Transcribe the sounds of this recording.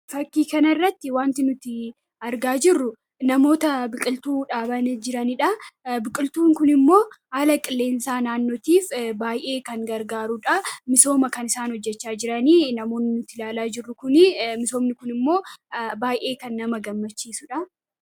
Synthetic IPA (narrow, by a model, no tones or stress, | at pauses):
fɐkːiːkɐnɐɪrːɐt̪ːɪwaːnt̪ɪnʊt̪ːɪ | ɐɾɡaːd͡ʒɪrːʊ | nɐmo̞ːt̪ɐbɪkʼɪlt̪uːᶑaːbɐnd͡ʒɪɾɐnɪᶑɐbɪkʼɪlt̪uːŋkʊnɪmːo̞ːhaːlɐkʼɪlːe̞ːnsaːnaːnːo̞ːt̪iːfbaːjʔeːkɐŋɡɐɾɡaːɾuᶑɐmɪso̞ːmɐkɐnɪsaːnhɔd͡ʒːɛt͡ʃːaːd͡ʒɪɾɐniːnɐmo̞ːnːɪnʊt̪ːɪlaːlaːd͡ʒɪrːʊkʊnɪmɪso̞ːmnɪkʊnɪmːo̞ːbaːjʔe̞ːkɐnːɐmɐɡɐmːɐt͡ʃːiːsʊᶑɐ